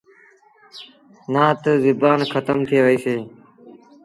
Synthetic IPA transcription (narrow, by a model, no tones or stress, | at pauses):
nãːt̪əzɪbaːnkʰət̪əmt̪ʰeːʋəiːseː